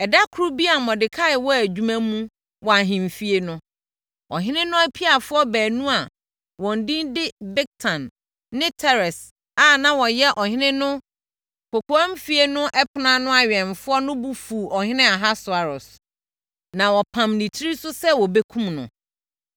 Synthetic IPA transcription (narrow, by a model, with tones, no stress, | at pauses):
ɛ˨da˦kʰʊ˦ɾu˦bi˦a˨mɔ̃˨dɪ˨kʰa˦ɪ˨wɔ˦æ˨d͡ʑᶣu˦mæ̃˦mũ˦ | wɔ˨a˨ɦɪ̃˨m˨fi˦e˦nʊ̃˦ | ɔ˨ɦɪ̃˦nɪ̃˦nʊ̃˦æ˦pʰi˦a˨fʊ˦ɔ˦bæː˨nũ˦a˨ | wɔ̃˨n̩˨dĩ˦ndɪ˦bɛ˦k̚tʰã˨nː | ɪ̃˦tʰɛ˦ɾɛ˨s | a˨nã˦wɔ˨jɛ˦ʔɔ˨hɪ̃˦nɪ̃˦nʊ̃˦ | kʰɔ˨kʰɔ˨ã˦m̩˦fi˦e˦nʊ̃˦ʔɛ˦pʰɪ˨nã˦nʊ̃˦a˨ɥɛ̃˨ɱfʊ˦ɔ˦nʊ̃˦bu˦fu˨ɔ˨hɪ̃˦nɪ̃˦a˨ɦa˦sʊ˨a˨ɾɔ˨s | nã˨wɔ˨pʰã˨mnĩ˨tʰi˦ɾi˦sʊ˦sɛ˦wɔ˨be˦kʰũ˦mnʊ̰̃˨